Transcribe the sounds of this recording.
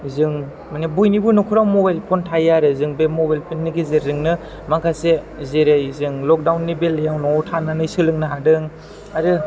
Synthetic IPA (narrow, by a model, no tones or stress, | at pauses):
zɯŋ | manibujnibunɔkʰuɾamobajlpʰontʰajaɾɯzɯŋbemobajlpʰonːiɡizeɾɯŋnɯ | makʰase | zeɾejzɯŋlɔk̚dawnːibeljawnɔtʰanɯnɯjsɯlɯŋnɯɦadɯŋ | aɾɯ